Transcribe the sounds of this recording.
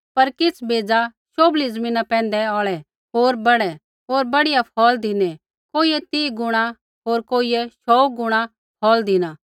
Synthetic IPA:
pɐɾkɪt͡sʰbʱeːd͡za | ʃoːblizɐmĩːnapɛ̃ːnd̪ɛɔːɭɛ | ɦoːɾbɐɽɛ | ɦoːɾbɐɽɪjapʰɔːld̪ɪnɛ | koːijɛt̪iːɡʊɽ̃a | ɦoːɾkoːiɛʃɔːɡʊɽ̃a | pʰɔːld̪ɪna

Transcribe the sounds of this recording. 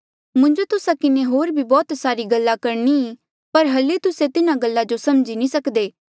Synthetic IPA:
mʊ̃ɲd͡ʒot̪ʊsakɪneɦoːɾbʱibɔːt̪saːɾiɡɐlːakɐɾni | pɐɾɦɐlit̪ʊset̪ɪnãɡəlːad͡ʒosɐmd͡ʒinĩsɐkd̪eː

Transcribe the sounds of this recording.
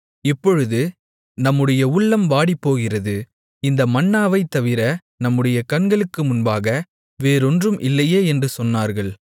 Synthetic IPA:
ɪpːɔɻɯðɯ | nɐmːɯɽɐjɐʊɭːɐmʋaːɽipːoːɣɪrɐðɯ | ɪnd̪ɐmɐnːaːʋɐɪt̪ːɐʋɪɾɐ | nɐmːɯɽɐjɐkɐnɡɐɭɯkːɯmʊnbaːɣɐ | ʋeːɾɔndrɯmʔɪlːɐjeːɛndrɯsɔnːaːɾɣɐɭ

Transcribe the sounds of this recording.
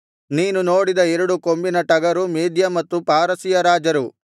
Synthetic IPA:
niːnunoːɽid̪ɐɛɾɐɽuko̞mbinɐʈɐɡɐɾumiːd̪jɐmɐt̪ːupaːɾɐsijɐɾaːd͡ʒɐɾu

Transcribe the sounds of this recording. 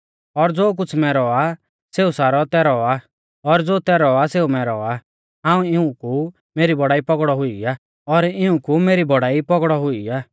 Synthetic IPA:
ɔɾd͡zoːk̬ʊt͡sʰmɛ̃ɾɔa | seːusaːɾɔt̪ɛɾɔa | ɔɾd͡zoːt̪ɛɾɔaseːumɛ̃ɾɔa | ɦãːũɪũku | meːɾibɔɽaːipɔɡɽɔɦʊiaː | ɔɾɪũkumeːɾibɔɽaːipɔɡɽɔɦʊiaː

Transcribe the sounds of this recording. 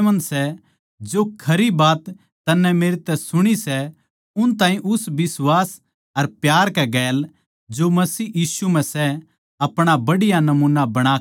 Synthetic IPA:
mɐnsɛ | d͡ʒokʰɐɾibaːt̪ː | ɐnːɛ̃meːɾet̪ɛsʊɽ̃isɛ | ʊnt̪ãːɦĩʔʊsbɪswaːs | ɐɾpjaːɾkɛɡɛːl | d͡ʒomɐsiːjiːsum̤ɛ̃sɛ | ɐpɽ̃abɐɽɪjanɐmuːnabɐɽ̃aː

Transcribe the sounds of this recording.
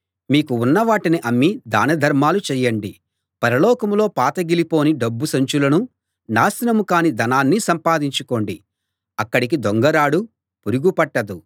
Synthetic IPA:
miːkuːnːɐʋaːʈiniʔɐmːid̪aːnɐd̪ʱɐɾmaːlut͡ʃɛːjːɐɳɖi | pɐɾɐlɔːkɐmlo̞ːpaːt̪ɐɡilipo̞ːniɖɐbːusɐɲt͡ʃulɐnu | naːsinɐmukaːnid̪ɐnaːnːisɐmpaːd̪iɲt͡ʃuko̞ːɳɖi | ɐkːɐɽik̬id̪oŋɡɐɾaːɽu | puɾuɡupɐʈːɐd̪u

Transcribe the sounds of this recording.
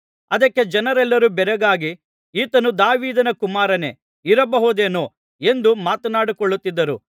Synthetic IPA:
ɐd̪ɐkːe̞d͡ʒɐnɐɾɛlːɐɾubɛɾɐɡaːɡi | iːt̪ɐnud̪aːʋiːd̪ɐnɐkumaːɾɐne̞ | iɾɐbɐɦod̪eːnoː | e̞nd̪umaːt̪ɐnaːɽukɔɭːut̪ːid̪ːɐɾṵ

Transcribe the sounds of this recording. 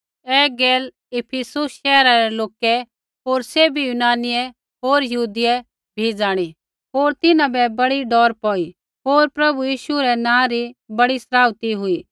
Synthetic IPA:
ɛɡeːl | ɪpʰɪsʊsʃɛːɾaɾɛloːkɛ | ɦoːɾsebʱijunaːnɪjɛ | ɦoːɾjɐɦuːd̪ɪɛ | bʱiːd͡zaːɽ̃i | ɦoːɾt̪ɪnãbɛbɐɽiɖɔːɾpɔːi | ɦoːɾpɾɐbujiːʃuɾɛnãːɾibɐɽisɐɾaːʋt̪iɦʊiː

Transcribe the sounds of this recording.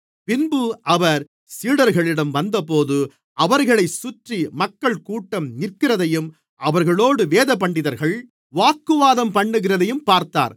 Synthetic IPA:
pɪnbɯʔɐʋɐɾ | siːɽɐɾɣɐɭɪɽɐmʋɐnd̪ɐpoːðɯ | ʔɐʋɐɾɣɐɭɐɪsʊʈrimɐkːɐɭkuːʈːɐmnɪɾkɪrɐðɐjɯm | ʔɐʋɐɾɣɐɭoːɽɯʋeːðɐpɐɳɖɪðɐɾɣɐɭ | ʋaːkːɯʋaːðɐmpɐɳːɯɣɪrɐðɐjɯmpaːɾt̪a̰ːɾ

